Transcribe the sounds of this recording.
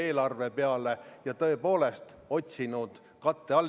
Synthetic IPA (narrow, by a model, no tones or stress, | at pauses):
e̞ːlɑrvepe̞ɑle̞jɑt̪ɤ̞e̞po̞ːle̞st̪ | o̞t̪ʲsinud̪̥ | kɑt̪ːe̞ɑlː